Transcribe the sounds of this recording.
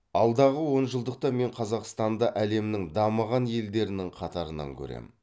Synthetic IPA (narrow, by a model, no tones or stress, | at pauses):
ɑlˠd̪ɑʁəwo̞nʒəlˠd̪əq̚t̪ɑme̞ɴqʰɑzɑqst̪ɑnd̪ɑʔæle̞mnɪŋd̪ɑməʁɑnje̞ld̪e̞ɾɪnɪŋqʰɑt̪ɑɾənɑ̰ŋkʲʰɵ̰ɾḛm